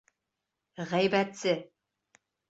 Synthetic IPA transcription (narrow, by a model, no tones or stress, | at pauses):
ʁæjbæt̪sɘ